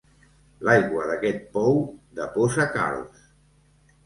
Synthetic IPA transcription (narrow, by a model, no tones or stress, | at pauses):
lajɣwəðəkɛt̪̚pɔwd̪əpozaka̰ls